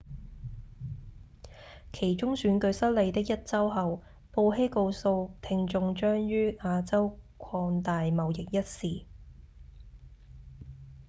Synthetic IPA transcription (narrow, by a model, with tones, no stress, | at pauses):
kʰe˨˩jt͡ʃʊ˥ŋsyː˨˥nkɵ˧ɥsɐ˥t̚le˨˧jt̪ɪ˥k̚jɐ˥t̚t͡sɐ˥wɦɐ˨w | po˧wɦe˥jko˧wso˧wt̪ʰɪ˧ŋt͡ʃʊ˧ŋt͡ʃœː˥ŋjyː˥aː˧t͡sɐ˥wkʷʰɔː˧ŋt̪aː˨jmɐ˨wjɪ˨k̚jɐ˥t̚siː˨